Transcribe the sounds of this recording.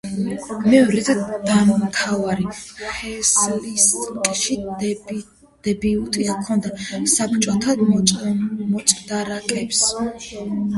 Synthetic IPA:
mɛɔɾɛd̪ad̪̥ammt̪ʰavaɾiχɛslisʼkʼʃi | d̪̥ɛbiut̪ʼikʰɔnd̪asapt͡ʃʼɔt̪ʰad̪ | mɔsʼd̪aɾakʼɛps

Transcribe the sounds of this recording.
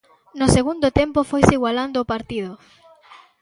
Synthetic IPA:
noseɣund̪ʊt̪empofojsiɣwaland̪oːpaɾt̪iðʊ

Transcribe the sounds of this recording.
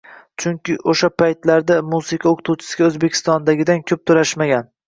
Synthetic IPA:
t͡ʃʰʊŋkʲɪʔoʃapʰajt̪laɾd̪amusɪqʰɑoqʰʊt̪ʰuwt͡ʃʰɪ̥sɪɡʲaɵzbekʲʰɪ̥st̪ɒnd̪aɡʲɪd̪ankʲʰɵp̚t̪ʰɵɾaʃmaɡʲan

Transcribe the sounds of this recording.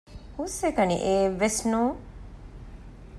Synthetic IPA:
husekɐnḭʔeːʋːesnũː

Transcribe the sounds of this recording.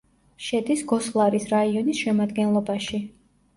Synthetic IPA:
ʃɛd̪isɡɔslˠaɾisɾaiɔnisʃɛmad̪ɡɛnlˠɔbaʃi

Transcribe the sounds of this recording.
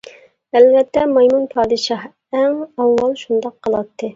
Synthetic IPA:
ælvɛt̪ːɛmɑjmunpʰɑːd̪ɨʃɑh | ɛŋɑwːɑlˠʃund̪ɑqʰːəlˠɑt̪ʰːɨ

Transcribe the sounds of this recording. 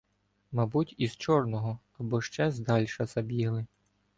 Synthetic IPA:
mɑbutʲiz̥t͡ʃɔrnɔɦɔ | ɐbɔʃt͡ʃɛzd̪ɑlʲʃɐz̥ɐbʲiɦlˠɪ

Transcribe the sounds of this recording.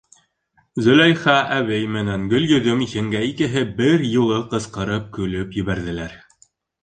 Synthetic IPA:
zɵ̆læjχɑʔæwɘjmɘ̆næŋɡɵ̆ljɵ̆ðɵmihɘ̆ŋɡæikɘ̆ɦɘbɘɾjulˠɤqɤ̆sqɤ̆ɾɤp̚kʉlɵpjɘ̆βæɾðɘ̆læɾ

